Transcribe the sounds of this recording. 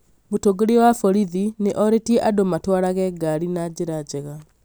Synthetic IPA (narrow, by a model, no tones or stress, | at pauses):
motoɡeɾewafɔɾiðineʔɔɾetiɛʔadomatwaɾaɣɛɡaɾinad͡ʑeɾad͡ʑɛɣa